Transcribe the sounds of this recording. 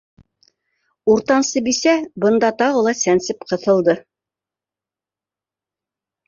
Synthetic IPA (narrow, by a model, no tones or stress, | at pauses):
uɾt̪ɑnsɤbisæbɤ̆nd̪ɑt̪ɑʁɤlˠɑsænsɘpqɤ̆θɤ̆lˠd̪ɤ